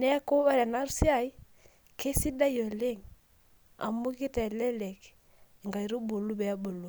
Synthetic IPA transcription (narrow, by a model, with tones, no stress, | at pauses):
nɛ˦ko˦ɛ˦ɾɛ˨na˦ɾu˦si˦a˨i˦ | ke˦si˦da˦jo˨le˦ŋ | a̰˨mu˦ki˦tɛ˨lɛ˦lɛ˨k | ŋɡa˨i˨ɾu˦bo˨lu˦bɛ˨a˦bo˨lu˨